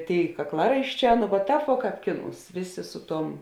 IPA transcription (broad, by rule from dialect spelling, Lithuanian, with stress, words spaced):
ˈtʲeːɪ kɐkˈlˠɑːrɐɪʃʲˌt͡ʃʲɛː nʊ ʋɐ ˈtɑːp ʋuɔ ˈkɑːp ˈkʲɪˌnuːs ˈʋʲeːˌsʲeː ˈsʊ ˌtuɔm